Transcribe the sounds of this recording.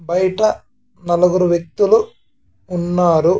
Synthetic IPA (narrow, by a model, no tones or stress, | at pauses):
bɐjɐʈɐ | nɐlɐɡuɾuʋjek̚t̪uluː | nːaːɾu